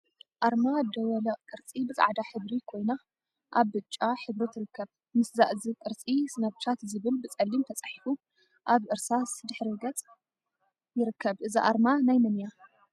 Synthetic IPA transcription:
ʔaɾmad̪ɐwɐlɐʔʼkʼɨɾt͡sʼibɨzʼa̰ʕd̪aħɨβɾikʰo̞jna | ʔaβːɨt͡ʃʼːaħɨβɾit̪ʰɨɾɨkʰːɐβ | mɨsza̰ʔzikʼɨɾt͡sʼisɨnɐβt͡ʃʰat̪zɨβɨlbɨt͡sʼɐlːimt̪ʰɐt͡sʼaħifu | ʔaβʔɨɾsasd̪ɨħɾiɡɐt͡sʼ | jɪɾɨkʰːɐβʔɨziʔaɾmanajmɐnja

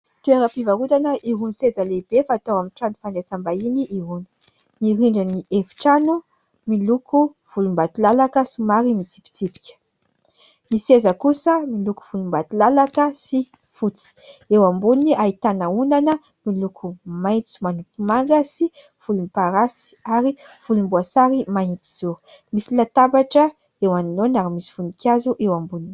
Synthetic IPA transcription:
t̪ueɾəpivaut̪anəʔiɦunisezəlebefaːt̪awamiʈ͡ʂanufanesambainiʔiɦunə̥ | niɾiɳɖ͡ʐaniʔefi̥ʈ͡ʂanu | milukʰu | v̥ulumbat̪ilalakəsumaɾimit͡si̥pi̥t͡sipi̥kʲə̥ | misezəkusəmiluku̥v̥ulumbat̪ilalakəsi | fut͡si̥ewambuniʔaɦit̪anəunanə | milukʰumajt͡su̥manupimaŋɡəsi | v̥ulumpaɾasi̥aɾiv̥ulumbuasaɾimaint͡si̥z̥uɾu̥misilat̪abaʈ͡ʂə | ewaninonaɾimisi̥vunikʲazuʔewambunini

